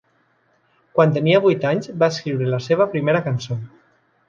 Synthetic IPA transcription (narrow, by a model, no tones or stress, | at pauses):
kwant̪əniaβujt̪aɲzbaeskɾiwɾelaseβ̞əpɾimeɾakanso